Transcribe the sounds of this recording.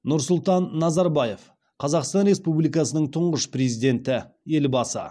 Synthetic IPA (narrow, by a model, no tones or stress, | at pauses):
nʊɾsʊlˠt̪ɑnːɑzɑɾbɑje̞f | qʰɑzɑqst̪ɑnɾe̞spublijkɑsənəɴt̪ʰʊɴʁəʃprezijd̪e̞nt̪ɪ | e̞lbɑsə̰